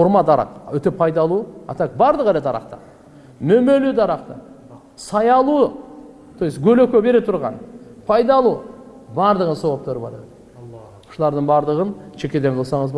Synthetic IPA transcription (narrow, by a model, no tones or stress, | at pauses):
foɾmɑd̪ɑɾʔɑ̰qwɵt̪e̞pʰɑjd̪ɑlˠuɑ̰t̪ɑkbɑɾd̪əqæled̪ʰɑɾɑ̰qt̪ə̰ | mɵmelud̪ɑɾɑqt̪ə | sɑjɑlˠu | t̪ʰojsɡʲɵløkʲøbe̞ɾet̪ʰʊɾʁɑ̰npʰɑjd̪ɑlˠu | bɑɾd̪əʁənsowop̚t̪oɾəbɑɾed̪ə̥ | ʃəlˠɑɾd̪əɴbɑɾd̪əʁənʃe̞kʲe̞d̪eɴqʰəlˠsɑɴəzb